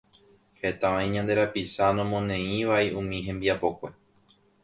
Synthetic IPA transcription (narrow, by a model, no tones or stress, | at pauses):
he̞t̪ãʋãĩɲãnd̪e̞ɾapisanõmõ̞nẽ̞ĩʋaiũmĩɦẽ̞mbiapo̞kʷe̞